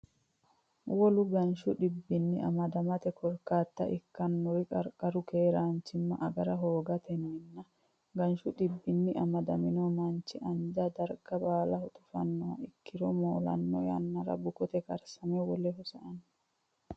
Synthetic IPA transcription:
wɔlʊɡɐnʃʊᶑɪbːɪnːɪʔɐ̰mɐd̪ɐmɐt̪ɛkʰɔɾkːaːt̪ːɐ̰ʔɪkːɐnːɔwɪkʼɐɾkʼːɐɾʊke̞ːɾaːnt͡ʃːɪmːɐ̰ʔɐɡɐɾɐɦoːɡɐt̪ɛnɔɪnːɐ | ɡɐnʃʊɗɪbːɪnːɪɐmɐd̪ɐmɪnɔmɐnt͡ʃːɪʔɐnd͡ʒɐd̪ɐɾɡ̥ɐbaːlɐhɔt̪ʊfɐ̰nːɔwɐ̰ɪkːɪɾɔmoːlɐ̰nːɔjɐ̰nːɐɾɐ̰bʊkɔt̪ɛkʼɐɾsɐmɛwɔlɛɦɔsɐ̰ʔɐn

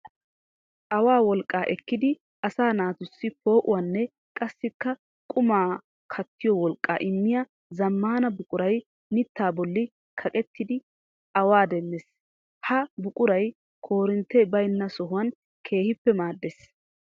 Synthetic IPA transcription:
ʔɐwaːwɔlkʼːaːʔɛkːɪd̪ɪ | ɐsaːnaːt̪ʊsːɪpo̞ːʔʊwɐnːɛ | kʼɐsːɪkːɐ | kʼʊmaː | kʰɐt̪ːɪjɔwɔlkʼːa̰ːʔɪmːɪjɐ | zɐmːaːnɐbʊkʼʊɾɐj | nɪt̪ːaːbɔlːɪ | kʰɐkʼɛt̪ːɪd̪ɪ | ɐwaːd̪ɛnːes | hɐbʊkʼʊɾɐj | kʰo̞ːɾɪnt̪ːɛbɐjnːɐsɔɦʊwɐn | kʰe̞ːhɪpːɛmaːd̪ːes

